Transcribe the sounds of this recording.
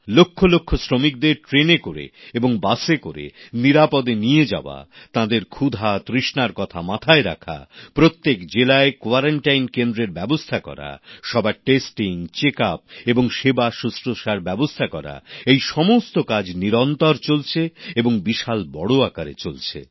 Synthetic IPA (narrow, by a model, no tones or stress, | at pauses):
lokʰːolokʰːosɾomik̚d̪eɾʈɾenekoɾḛeboŋbasekoɾḛniɾapɔd̪enied͡ʑa̰oa̰t̪ãd̪eɾkʰud̪ʱat̪ɾiʃnaɾkɔt̪ʰamat̪ʰaeɾa̰kʰa̰pɾot̪ːekd͡ʑelaekoaɾaɳʈajnkend̪ɾeɾbɛbost̪ʰakɔ̰ɾa̰ʃɔbaeʈesʈiŋt͡ɕekap̚eboŋʃebaʃusɾoʃaɾbɛbost̪ʰakɔɾa̰ejʃɔmost̪okad͡ʑniɾɔnt̪ɔɾt͡ɕolt͡ɕʰeeboŋbiʃalbɔɽoakaɾḛt͡ɕolt͡ɕʰḛ